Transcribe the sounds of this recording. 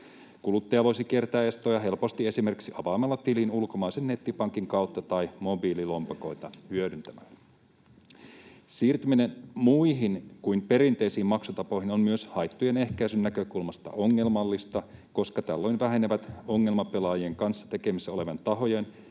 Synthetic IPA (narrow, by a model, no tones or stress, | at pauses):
kulut̪ːɑjɑʋo̞jsik̟iert̪æːe̞st̪ojɑɦe̞lpo̞st̪ie̞sime̞rksiɑʋɑːmɑlːɑt̪ilinulko̞mɑjsenːe̞t̪ːipɑŋkiŋkɑwt̪ːɑt̪ɑjmo̞bililo̞mpɑko̞jt̪ɑhyødynt̪æmæ̰lː | siːrt̪yminenmuiɦinkuimpe̞ɾint̪e̞jsiːmɑksut̪ɑpohinommyøshɑjt̪ːuje̞ne̞hkæjsynːækø̞kulmɑst̪ɑ̰ʔo̞ŋːe̞lmɑlːist̪ɑko̞skɑt̪ælːo̞jnʋæɦe̞neʋæt̪o̞ŋːe̞lmɑpe̞lɑːjieŋkɑnsːɑ̥t̪e̞ke̞misːæo̞le̞ʋɑnt̪ɑɦo̞jen